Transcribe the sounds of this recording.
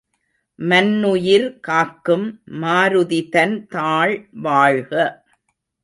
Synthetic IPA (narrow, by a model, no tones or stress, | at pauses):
mɐnːʊjɪɾkaːkːɯmːaːɾɯðɪðɐnt̪aːɭʋaːɻɣɐ